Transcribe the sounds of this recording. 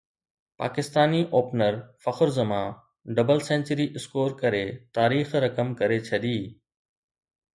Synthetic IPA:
pa̰ːkɪst̪aːniʔoːpnəɾfɐxʊɾzəmã | ɖɐbəlsẽːnt͡ɕəɾiʔɪskoːɾkɐɾet̪aːɾiːxɾɐkəmkɐɾet͡ɕʰɐɗiː

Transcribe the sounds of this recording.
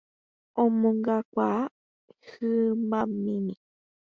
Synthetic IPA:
õmõŋɡakʷaa | hɨmãmĩmĩ

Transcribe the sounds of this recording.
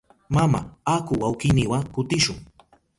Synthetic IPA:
mama̰akʊwawkɪnɪwakʊt̪ɪʃʊŋ

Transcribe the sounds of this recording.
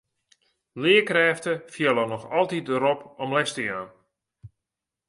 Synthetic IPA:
lɪəkrɛːftəfjɪlˠənɔxɔlˠtit̚dəɾɔpɔmlɛstəjaːn

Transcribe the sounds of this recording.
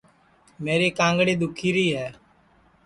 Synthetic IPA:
meːɾeːkãːŋɡɽeːd̪ʊkʰiːɾiːɦɛː

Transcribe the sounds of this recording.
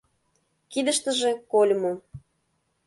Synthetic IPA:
kid̪əʃt̪ə̆ʒekolʲmo

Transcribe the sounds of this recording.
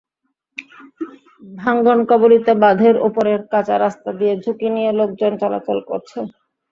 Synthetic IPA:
bʱaŋɡonkɔboɾit̪ebad̪ʱeɾopoɾeɾkat͡ɕaɾast̪ad̪ijed͡ʑʱukinijelok̚d͡ʑont͡ɕɔla̰t͡ɕolko̰ɾt͡ɕʰe

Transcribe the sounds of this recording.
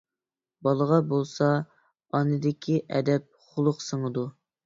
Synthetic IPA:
bɑlˠəʁɑbolˠsɑ | ɑnɨd̪ɪkʲʰiʔɛd̪ɛp̚χʊlˠʊqsəŋəd̪u

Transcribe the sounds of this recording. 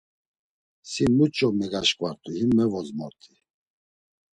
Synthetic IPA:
simut͡ʃʼɔmɛɡaʃkʼwaɾt̪ʼuhimːɛvɔzmɔɾt̪ʼi

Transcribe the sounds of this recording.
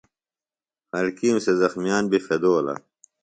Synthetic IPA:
hɐlkiːmsezɐxmijaːnbifed̪oːlɐ̰

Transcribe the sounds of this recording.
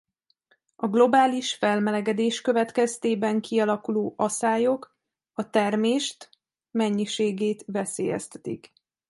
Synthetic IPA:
ɒɡlo̞baːliʃfɛlmɛlɛɡɛd̪eːʃkø̞vɛt̪kɛst̪eːbɛŋkʰiɒlɒkuloːʔɒsaːjo̞k | ɒt̪ɛrmeːʃt̪ | mɛɲːiʃeːɡeːt̪vɛsḛːjɛ̰st̪ɛ̥t̪ḭk

